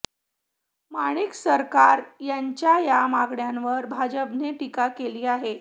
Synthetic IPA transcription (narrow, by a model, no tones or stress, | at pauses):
maɽ̃iksəɾkaɾjaɲt͡ɕjajamaɡɳjanʋəɾbʱad͡ʑəpneʈikakeliːaɦe